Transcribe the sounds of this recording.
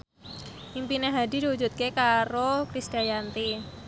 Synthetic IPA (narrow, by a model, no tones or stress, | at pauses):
impineɦadi̤diwud͡ʒut̪̚kekaɾokɾisɡ̥ajant̪i